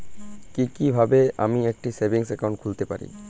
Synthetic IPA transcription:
kikibʱabea̰miek̚ʈisebiŋsɛkaw̃ɳʈ̚kʰult̪epa̰ɾḭ

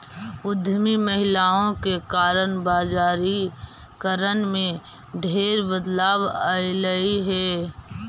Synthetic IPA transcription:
ʊd̪ʱːəmiməɦɪlaːõkekaːɾənbaːzaːɾi | kəɾənmẽ | ɖʱeːɾbəd̪laːbaːɪləiɦɛː

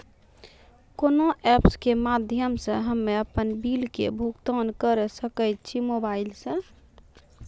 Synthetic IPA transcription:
konoʔɛpskemad̪ʱjəmsə̃ɦəmːeəpənbilkḛbʱukt̪ənkəɾesəkəjt̪t͡ʃʰimobailsə̃

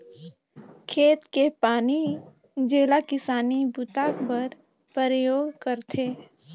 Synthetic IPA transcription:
kʰeːt̪kepaːni | d͡ʒeːlakɪsaːnibʊt̪aːkbəɾ | pəɾəjoːɡkəɾt̪ʰeː

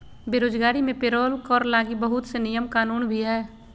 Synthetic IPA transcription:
beːɾoːd͡ʒɡaːɾimẽpeɾoːlkɔːɾlaːɡibəɦʊt̪senijəmkaːnuːnbʱiɦɛː

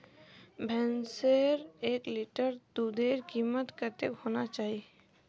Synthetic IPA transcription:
bʱɛ̃nseɾekliʈəɾd̪ud̪eɾkimət̪kəɾt̪ekhonat͡ʃaːɦi

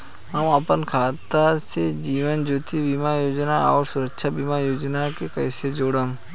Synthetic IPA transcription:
ɦəməpənkʰaːt̪ːased͡ʒiːʋənd͡ʒoːt̪ibimajoːd͡ʒnaɔːɾsʊɾəkʃʰabimajoːd͡ʒnakekəɪsed͡ʒoːɽəm

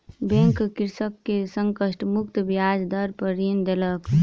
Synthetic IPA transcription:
bẽŋkkiɾsəkːesəŋkəsʈmuk̚t̪bjad͡ʒd̪əɾpəɾind̪elək

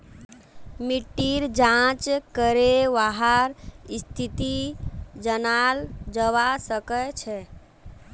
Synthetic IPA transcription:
miʈːiɾd͡ʒãt͡ʃkəɾeʋaɦaɾist̪ʰit̪id͡ʒənald͡ʒəwasəkət͡ʃʰɛ

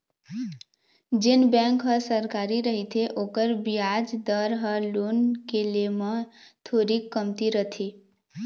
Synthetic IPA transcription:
d͡ʒenbɛ̃ŋkɦəsəɾkaɾiɾəɦit̪ʰeʔokəɾbijad͡ʒd̪əɾɦəlunkelemət̪ʰoɾikːəmt̪iɾət̪ʰi

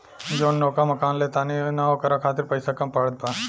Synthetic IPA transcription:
d͡ʒoːnːoːkamɐkaːnleːt̪aːninaokɐɾakʰaːt̪ɪɾpɐjsakampaɽəd̪̚paː

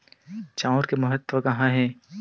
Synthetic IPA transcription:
t͡ʃãʊɾkemɐɦət̪ʋəkɐɦãɦɛː

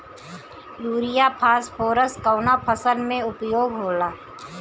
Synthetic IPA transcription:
luːɾɪjapʰaːspʰoːɾəskəwnapʰəsəlmẽʊpjoːɡɦoːlaː

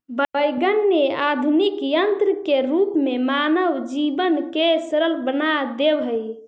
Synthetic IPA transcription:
bəəjɡənːead̪ʱunikjənt̪ɾəkeɾupmemanəʋd͡ʒibənkesɾəlbənad̪ebɦəj

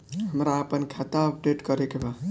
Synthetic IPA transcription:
ɦəmɾaəpənkʰat̪aəp̚ɖeʈkəɾekeba

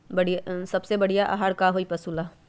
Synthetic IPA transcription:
bɐɽ̤isɐbsebɐɽ̤ijaʔa̰ɦaɽkaɦoːipɐsuːla

